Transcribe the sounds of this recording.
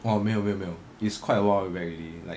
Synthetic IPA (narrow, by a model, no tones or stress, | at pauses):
ɔmememe | iskʰwaɪtəwãwɛɹililaɪ